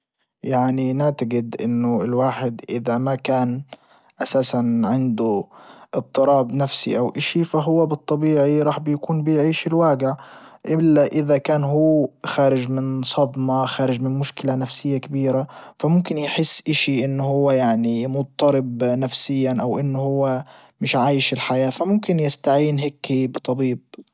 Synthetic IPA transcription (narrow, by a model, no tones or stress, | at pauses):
jaʕninɪʕt̪aɡɪd̪ʔɪnːʊɪlwaːħɪd̪ʔɪðamakaːn | ʔasaːsanʕɪnd̪ʊʔɨt̪ˤːɨɾˤɑːbnafsḭʔawʔɪʃifaɦʊwːabɨt̪ˤːɑbiːʕiɾˤɑːħbɪjakuːnbɪjʕiːʃɪlwaːɡɪʕʔɪlːaʔɪðakaːnɦuːxaːɾɪd͡ʒmɪnsˤɑd̪ˤmɑxaːɾɪd͡ʒmɪnmʊʃkɪlanafsɪjːakabiːɾafamʊmkɪnjħɪsːʔɪʃiʔɪnːʊhʊwːajaʕnimʊt̪̚t̪ˤːɑɾɪbnafsɪjːanʔawʔɪnːʊhʊwːa | mɪʃʕaːjɪʃɪlħajaːfamʊmkɪnjɪst̪aʕiːnɦeːkːibɨt̪ˤɑbiːb̚